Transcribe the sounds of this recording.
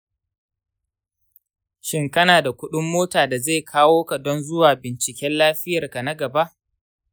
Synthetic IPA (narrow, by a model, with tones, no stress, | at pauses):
ʃɪ˦ŋkɐ˦naː˨da˨kʷʊ˦ɗʊ˦mːoː˦taː˨da˨ze˦˨kʰaː˦woː˦ka˨dɔ˦nzʊ˦waː˨bɪ˨nt͡ʃɪ˨kʲɛ˦nlaː˦ɸɪ˦jɐ˨rka˨na˦ɡɐ˨ba˦ʔ